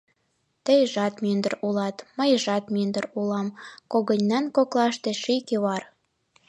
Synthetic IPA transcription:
t̪əjʒɑt̪mønd̪ə̆rulɑt̪məjʒɑt̪mønd̪ərulɑmkoɣə̆nʲnɑnkoklɑʃt̪eʃikeβɑr

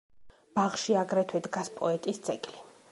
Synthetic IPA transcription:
b̥aʁʃiaɡɾɛt̪ʰwɛd̪ɡaspʼɔ̰ɛt̪ʼisd̪sʼɛɡʼli

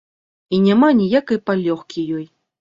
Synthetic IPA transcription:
inʲamanʲijakɐjpalʲɔxkʲijɔj

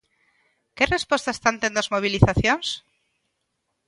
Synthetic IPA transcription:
kerespwost̪ae̥st̪ant̪end̪ozmoβ̞iliθaθjons

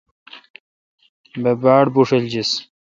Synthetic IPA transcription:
bebaːɽbuʂeld͡ʑis

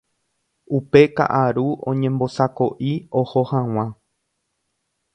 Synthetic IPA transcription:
upe̞ka̰ʔaɾuõ̰ɲẽmbo̞sako̞ʔiohohãw̃ã

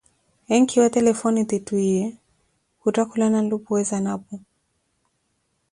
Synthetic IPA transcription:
ɛŋkʰiwatɛlɛfɔnit̪ituiɛ | hutakulanalupuwɛzanapɔ

